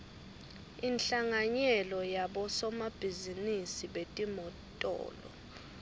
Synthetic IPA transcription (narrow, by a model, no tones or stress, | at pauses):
inɬaŋaɲɛlɔjaɓɔsɔmab̥ʱizinisiɓetʼimɔtʼɔ̰ːlɔ̰